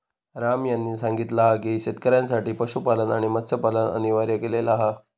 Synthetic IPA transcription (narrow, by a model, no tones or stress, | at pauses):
ɾamjanːiːsaŋɡit̪laɦakiɕet̪̚kəɾjansaʈiːpəɕupalənaɽ̃imət̪səpalənə̰niʋaɾjəkelelaɦa